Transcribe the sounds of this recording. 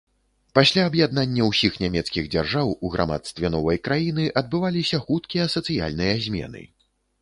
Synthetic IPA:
pasʲlʲaɐbjad̪nanʲːɐwsʲixnʲamʲɛt̪skʲiɣd͡zʲarʐawuɣɾʔa̰ma̰t̪st̪vʲɛnɔvɐjkɾajinɨʔɐd̪̚bɨvalʲisʲɐxut̪kʲijɐsɐt̪sɨja̰lʲnɨjɐzʲmʲɛ̰nɨ̰

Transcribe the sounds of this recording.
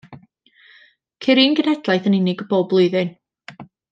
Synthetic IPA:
kʰɪɾiːnɡənɛd̥lˠajθənɪnɪɡəboːblˠʊɨðɪn

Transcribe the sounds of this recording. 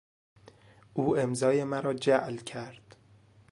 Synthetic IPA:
ʔuːe̞mzɒːjemæɾɒːd͡ʒæʔlcʰæɾd̪̥

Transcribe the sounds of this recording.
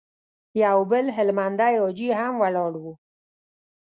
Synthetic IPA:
jaubɪlɦɪlmand̪ajod͡ʒiɦamwalɔːɽwu

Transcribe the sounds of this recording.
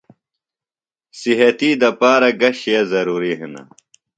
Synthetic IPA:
siɦɐt̪iːd̪ɐpaːɾɐɡɐɕjezɐɾuːɾiɦinɐ̰

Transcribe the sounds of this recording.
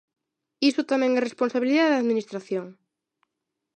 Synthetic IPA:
isʊt̪amɛ̃ŋɛresponsaβiliðaðaðminist̪ɾaθjoŋ

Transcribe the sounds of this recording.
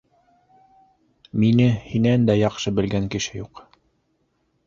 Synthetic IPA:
minɘhinænd̪æjɑqʃɤbɘ̆lɡæŋkɘ̆ʃɘjuq

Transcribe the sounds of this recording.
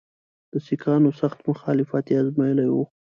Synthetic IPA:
d̪̥əsikʰɑnosaxt̪mʊxɑlɪfat̪iazmɑjəlajwo

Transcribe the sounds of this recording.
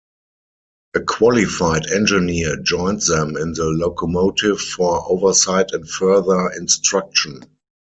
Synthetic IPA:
ʔəkʰwɔlifaɪdɛ̃nd͡ʒɪnid͡ʒɔ̃ɪ̃ntðɛ̃mɪ̃nðəlokʰomoʊtʰɪvfɔɹʔoʊvə˞saɪtɛ̃ntfɜ˞ðə˞ɪ̃nstɹak̚ʃə̃n

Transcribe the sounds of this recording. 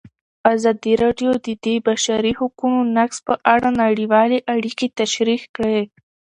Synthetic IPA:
azɑd̪iɾɑɖjod̪əd̪ebaʃaɾihʊkunonakspəʔaɽanaɽiwɑleʔaɽiket̪aʃɾixkɽe

